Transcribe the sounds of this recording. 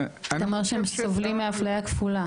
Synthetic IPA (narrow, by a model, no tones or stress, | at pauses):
t̪amaʁʃeemsovlimːiaflajakfula